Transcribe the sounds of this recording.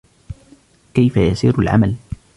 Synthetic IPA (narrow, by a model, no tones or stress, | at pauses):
kajfajasiːɾalʕa̰mal